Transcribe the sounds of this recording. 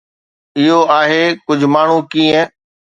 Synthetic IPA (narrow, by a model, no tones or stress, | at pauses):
ɪɦoaːɦekʊd͡ʑʱmaːɳ̤ũkiːə̃